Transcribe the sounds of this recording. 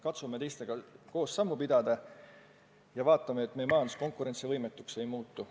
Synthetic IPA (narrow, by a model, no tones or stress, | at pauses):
kɑt̪sume̞t̪e̞jst̪e̞ɡ̥ɑko̞ːsːɑmːupid̪ɑd̪̥ɑ | jɑvɑːt̪ːˑɑmeet̪ːmejemɑːnsko̞ŋkˑuɾe̞nsivɤjme̞t̪ːˑukse̞jmuːt̪ˑːu